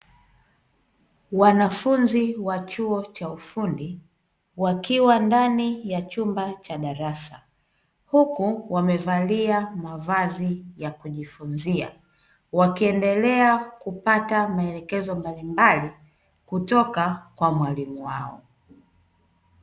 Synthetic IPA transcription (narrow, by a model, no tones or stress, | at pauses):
wanafunziwat͡ʃuɔt͡ʃaufundi | wakiwandanijat͡ʃumbat͡ʃaɗaɾasa̰ | hukuwamɛvaliamavazijakuʄifunzia̰ | wakiɛndɛlɛakupatamaɛlɛkɛzɔmbalimbali | kutɔkakwamwalimuwa̰ɔ̰